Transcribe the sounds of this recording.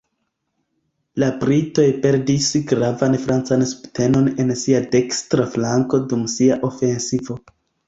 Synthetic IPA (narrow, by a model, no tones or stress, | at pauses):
labɾito̞jpe̞ɾdisɡɾavanfɾant͡sansu̥pte̞no̞ne̞nsiade̞kstɾaflaŋko̞dumsiaʔo̞fe̞nsivo̞